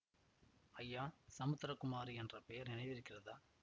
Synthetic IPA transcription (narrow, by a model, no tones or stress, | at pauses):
ɐjːaːsɐmɯt̪ːɾɐkʊmaːɾiɛndrɐpɛjɐɾnɪnɐɪʋɪɾɯkːɪrɐðaː